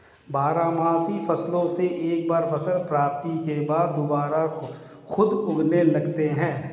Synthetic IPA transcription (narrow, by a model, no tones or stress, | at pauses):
baːɾaːmaːsifɐslõseʔeːk̚baːɾfʰɐsəlpɾaːp̚t̪ikebaːd̪ːʊbaːɾa | xʊd̪ʊɡnelɐɡt̪eɦɛ̃ː